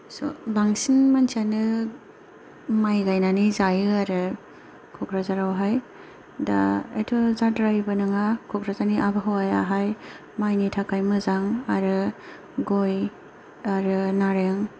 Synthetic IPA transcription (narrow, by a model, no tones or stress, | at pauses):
sobaŋsinmansanɯ | majɡajnanizajɯaɾɯ | kʰukɾazaɾawɦaj | da̰ḛtʰɔzadɾajbɯnɯŋakʰɔkʰɾazaniʔabɯɦawaja̰ɦaj | majnitʰakajmɯzaŋaɾɯ | ɡoj | aɾɯnaɾeŋ